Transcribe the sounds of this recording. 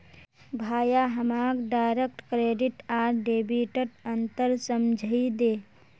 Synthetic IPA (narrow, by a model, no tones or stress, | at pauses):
bʱaːjaɦəmaːɡɖajɾek̚ʈkɾeːɖiʈaːɾɖebiʈəʈənt̪əɾsəmd͡ʒʱəid̪eː